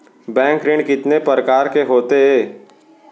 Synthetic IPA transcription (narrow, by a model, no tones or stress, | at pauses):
bɛ̃ːŋkɾɪ̃ɳɖkɪt̪nepəɾəkaːɾkeɦoːt̪eɦɛː